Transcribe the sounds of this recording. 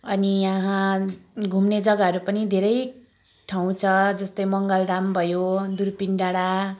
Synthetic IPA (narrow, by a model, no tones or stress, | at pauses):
ʌniãɦãɡʱumned͡zʌɡaʌɾupʌnid̪ʱeɾʌj | ʈʰaw̃t͡sʰʌd͡zʌst̪ʌjmʌŋɡʌld̪ambʱʌjod̪urpinɖaɽa